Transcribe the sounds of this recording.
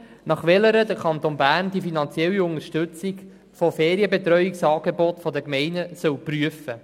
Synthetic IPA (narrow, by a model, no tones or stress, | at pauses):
nɑχʋɛləɾəd̥̪əkʰɑnt̪onbæːrnd̥ifinɑnt͡sjɛlːiʊŋəʃtɵt͡sik | fofeːɾiəbet̪ɾœʏiksɑːɡebɔtfɔd̪əkmɛɪnəsœwpryəfə